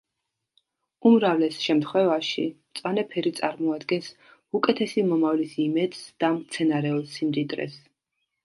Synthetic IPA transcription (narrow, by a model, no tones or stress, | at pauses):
umɾavlɛsʃɛmt̪ʰχwɛvaʃḭmt̪sʼwanɛpʰɛɾit̪sʼaɾmɔad̪ɡɛns | ukʼɛt̪ʰɛsimɔmavlisimɛd̪̥sd̪̥amt̪sʰɛnaɾɛɔlˠsimd̪id̪ʼɾɛ̰s